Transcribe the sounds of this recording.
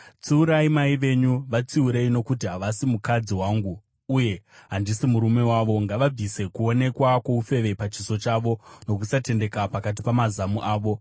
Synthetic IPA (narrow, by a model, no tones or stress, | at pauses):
t͡suuɾaimaiʋe̞ɲuʋat͡siuɾe̞ino̞kutiɦaʋasimukad͡ziwaːŋɡuː | je̞ɦandisimuɾume̞waʋo̞ŋɡaʋab͡vise̞kuo̞ne̞kwako̞ufe̞ʋe̞pat͡ʃiso̞t͡ʃaːʋo̞no̞kusate̞nde̞kapakat̬ipamazamuʔaːʋo̞